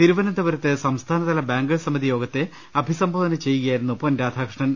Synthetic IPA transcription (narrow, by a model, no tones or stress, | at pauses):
t̪iɾuʋɐnɐd̪ɐʋɐɾɐt̪ːɨsɐmst̪ʰaːnɐðɐlɐbaːŋɡɐɭsɐmɐd̪ijo̞ːɡɐt̪ːe | ɐbʱisɐmbʱoːd̪ɐnɐt͡ɕe̞jːuɣɐjaːjiɾunːuponɾaːd̪ʱaːkʂɳɐn